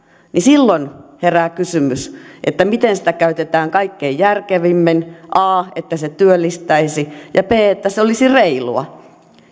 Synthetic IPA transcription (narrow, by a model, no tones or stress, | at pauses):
nisilːonheræːkysymysʔḛt̪ːæmit̪ensi̥t̪ækæyt̪et̪æːŋkɑikːeijjærkeʋimːenʔɑːet̪ːæset̪yølːist̪æisijɑpeːet̪ːæseolisireilṵɑ̰